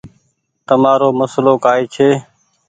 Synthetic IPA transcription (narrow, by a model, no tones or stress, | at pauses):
t̪əmaːɾoːməsloːkaːeːt͡ʃʰeː